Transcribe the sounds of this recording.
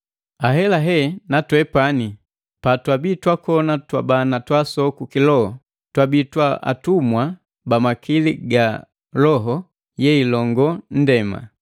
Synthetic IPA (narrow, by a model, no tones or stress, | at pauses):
aɦɛlaɦɛnatwɛpani | patwabitwakɔnatwabanatwasɔkukilɔhɔ | twabitwaa̰tumwa | bamakiliɡa | lɔɦɔ | jɛilɔŋɡɔn̩dɛma̰